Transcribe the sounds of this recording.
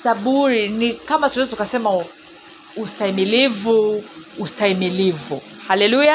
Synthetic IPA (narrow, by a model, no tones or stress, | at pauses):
saɓuɾinikamatuɛzɔtukasɛma | ustaimilivuːstaimilivu | halɛluja